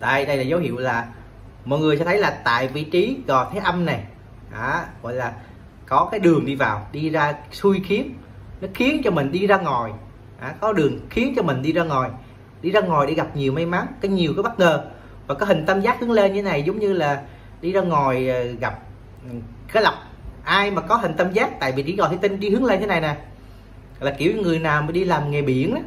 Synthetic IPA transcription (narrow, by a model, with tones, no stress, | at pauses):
t̪a̰˧jɗə˧jlaː˨˩zə˨˦whḭ˧˨əwlaː˨˩ | mɔ̰˧˨jŋɨ˨˩əjsɛ̰˧˥t̪ʰə˨˦jlaː˨˩t̪a̰ː˧˨jvḭ˧˨t͡ɕi˨˦ɣɔ˨˩t̪ʰɛ˨˦ʔə˧mna˨˩j | ʔaː˧˩ɣɔ̰˧˨jlaː˨˩ | kɔ˨˦kaː˨˦jɗɨ˨˩əŋɗi˧vaː˨˩wɗi˧zaː˧su˧jxi˨˦ən | nɔ˨˦xi˨˦ənt͡ɕɔ˧mï˨˩ŋ̟ɗi˧zaː˧ŋɔ˨˩j | ʔaː˨˩kɔ˨˦ɗɨ˨˩əŋxi˨˦ənt͡ɕɔ˧mï˨˩ŋ̟ɗi˧zaː˧ŋɔ˨˩j | ɗi˧zaː˧ŋɔ˨˩jɗe˧˩ɣa˨˩p̚ɲi˨˩əwma˧jma˨˦ŋkɔː˨˦ɲi˨˩əwkɔ˨˦ɓə˦˥t̚ŋəː˨˩ | vaː˨˩kɔ˨˦ɦï˨˩ŋ̟t̪ə˧mzaː˦˥t̚hɨ˨˦əŋle˧nɲɨ˧t̪ʰe˦na˨˩jzə˨˦wŋ͡mɲɨ˧laː˨˩ | ɗi˧zaː˧ŋɔ˨˩jɣa˨˩p̚ | kaː˨˦jla˨˩wk͡p̚ | ʔaː˧jmaː˨˩kɔ˨˦ɦï˨˩ŋ̟t̪ə˧mzaː˦˥t̚t̪a̰ː˧˨jvi˨˩t͡ɕḭ˧˥˩ɣ̰t̪ʰːt̪i˧ŋɗi˧hɨ˨˦əŋle˧nt̪ʰe˨˦na˨˩jna˨˩˨ | laː˨˩ki˧˩əwɲɔ˧ŋɨ˨˩əjnaː˨˩wmaː˨˩ɗi˧laː˨˩mŋɛ˨˩ɓi˧˦ənʔa˨˦